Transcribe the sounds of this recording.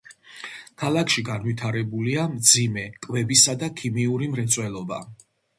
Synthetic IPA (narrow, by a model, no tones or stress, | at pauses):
kʰalakʰʃiɡanvwit̪ʰaɾɛbuliamd̪zimɛkʼvɛbisad̪akʰimiuɾimɾɛt̪sʼwɛlˠɔba̰